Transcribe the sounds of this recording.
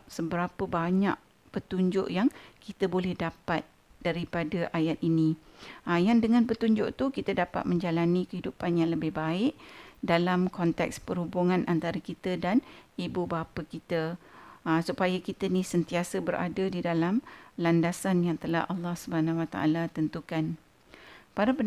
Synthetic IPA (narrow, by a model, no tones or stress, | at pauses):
səbəɾapəbaɲa̰ʔ | pət̪uɲd͡ʒʊ̰ʔjaŋkit̪əbolɛhdapat̪̚ | d̥aɾipadəʔajat̪̚inĩajandəŋãnpət̪uɲd͡ʒʊʔt̪ukit̪ədapa̰t̪̚mə̃ɲd͡ʒalanĩkəɦidupanjaŋləbɪhbaɪʔdalamkɔnt̪ɛ̰kspəɾhubuŋãnʔant̪aɾakit̪ədanibubapakit̪əː | supajakit̪əinĩsənt̪iasəbəɾʔa̰dadidalamlandasanjaŋt̪əla̰hʔalːɑhsubəɦanãwat̪a̰ʔa̰lat̪ənt̪ukan | paɾapən